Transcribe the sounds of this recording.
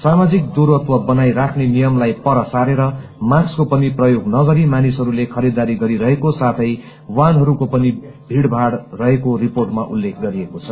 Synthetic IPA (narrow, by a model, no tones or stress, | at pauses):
samad͡zik̚d̪uɾʌt̪wʌbʌnajɾakʰnenijʌmlajpʌɾʌsaɾeɾʌ | makskopʌniprʌjoɡnʌɡʌɾimanisɦʌɾulekʰʌɾid̪aɾiɡʌɾiɾʌɦekosat̪ʰʌj | wanɦʌɾukopʌnibʱiɽbʱaɽrʌɦekoriporʈmaʔulːekʰɡʌɾiekot͡sʰʌ